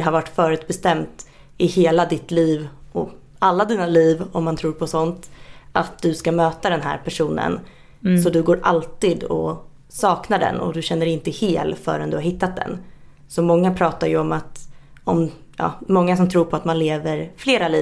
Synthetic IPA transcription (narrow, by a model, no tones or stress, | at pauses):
ɛɦaɾvaʈːfœːɾʉ̟t̪̚bɛst̪ɛmt̪ | ɪheːlad̪ɪt̪liːvɔ | alːad̪iːnaliːvɔmːant̪ʰɾuːɾpʰɔsɔnt̪ʔat̪̚d̪ɵskamøːt̪ad̪ɛnɦæ̰ːɾpʰæʂuːnə̰n | sɔd̪ɵɡoːɾʔalt̪iːd̪ɔ̰ | sɑːknaɖɛ̰nɔ̰d̪ɵɕɛnːəɖɛɪnt̪əheːlfœ̰ːɾɛnd̪ɵhaɾhɪt̪ːat̪̚d̪ɛ̰n | sɔmɔŋːapʰɾɑːt̪aɾjɵɔmat̪ɔm | jɑ̰ːɔŋːasɔmt̪ʰɾuːɾpʰɔat̪manleːvəɾfleːɾaliː